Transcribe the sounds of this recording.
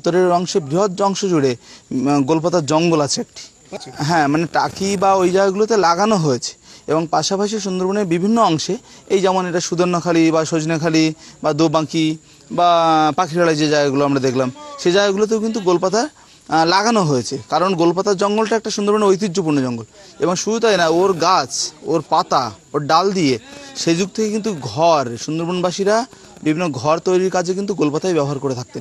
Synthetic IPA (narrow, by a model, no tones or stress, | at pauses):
t̪ːoɾeɾɔŋʃebɾiɦot̪̚ɔŋʃod͡ʑuɽe | ɡolp̬at̪aɾd͡ʑɔŋɡolat͡ɕʰeɛk̚ʈi̥ | ɦɛ̃maneʈakibaojd͡ʑaɡɡulot̪elaɡanoɦoet͡ɕʰe̥eboŋpaʃapaʃ̬iʃ̬und̪oɾbonebibʱinːoɔŋʃe | ejd͡ʑɛmoneʈaʃud̪ʱoɾnokʰalibaʃod͡ʑnekʰalibad̪obaki | bapakʰiɾaɭad͡ʑed͡ʑaɡaɡuloamɾad̪ekʰlamʃed͡ʑaɡaɡulot̪̬ewkint̪uɡolpat̪aɾ | laɡanoɦoet͡ɕʰekaɾonɡolpat̪aɾd͡ʑɔŋɡolʈaɛk̚ʈaʃund̪oɾbonojt̪̬idːopuɾnod͡ʑɔŋɡol | eboŋʃuɾut̪ajnaoɾɡat͡ɕoɾpat̪aoɾɖald̪ieʃed͡ʑuɡ̚t̪ʰekekint̪uɡʱɔɾʃund̪oɾbonbaʃiɾa | bibʱinːoɡʱɔɾt̪ojɾiɾkad͡ʑʰʱek̬int̪uɡolpat̪ʰajbɛboɦaɾkoɾet̪ʰak̚t̪en